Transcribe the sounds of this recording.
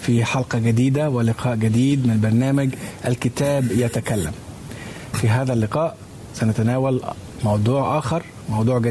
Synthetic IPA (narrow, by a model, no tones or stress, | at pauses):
fiħɑlqɑɡad̪iːd̪awɪlɪqʰɑːʔɡɪd̪iːd̪mɪnbɑɾˤnaːmaɡʔælkɪt̪aːbjat̪akalːæ̰m | fiɦaːðælːɪqɑːʔ | sænat̪ænaːwal | mɑwd̪ˤuːʕʔaːxɑɾˤ | mɑwd̪ˤuːʕɡa